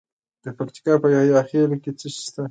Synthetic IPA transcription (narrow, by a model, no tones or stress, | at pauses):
d̪̥əpakt̪i̥kɑpəjawjaxelket͡səsst̪a